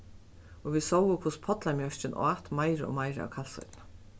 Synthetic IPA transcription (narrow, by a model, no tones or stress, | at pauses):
ɔʋisɔwʊkʰvʊspʰɔt̪lamjœɹt͡ɕɪnʔɔ̰at̪majɾɪɔ̰majɾɪa̰wkʰalsɔ̰jt̪na